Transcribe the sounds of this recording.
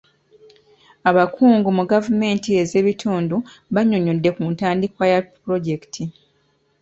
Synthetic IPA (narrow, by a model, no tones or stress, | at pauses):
aβakʰuːŋɡumuɡavume̞ːntie̞ze̞ːβitʰuːndu | βaɲo̞ɲodːe̞kuːntaːndikwajapuɾo̞ɟe̞ktʰi